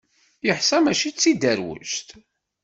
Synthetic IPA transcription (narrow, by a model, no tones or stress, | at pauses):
jəħsæmæʃit͡sːid̪æɾwə̰ʒt̪